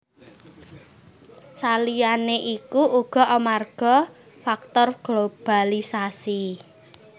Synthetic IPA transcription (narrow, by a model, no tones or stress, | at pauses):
salijaneʔikuʔuɡ̥ɔ̤amarɡ̥ɔ̤ | fak̚t̪ɔrɡ̥lob̥a̤lisasi